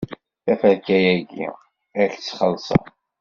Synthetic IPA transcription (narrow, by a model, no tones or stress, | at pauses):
θæfælkæjæɡḭ | æɾçt͡sːχəlːsˤɑ̰